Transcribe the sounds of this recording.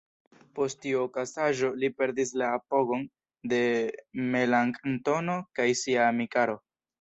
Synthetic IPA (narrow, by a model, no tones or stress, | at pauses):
po̞stiokasaʒo̞lipe̞ɾdis̬laːpo̞ɡo̞n | de̞me̞laŋknto̞no̞kajsiaːmikaɾo̞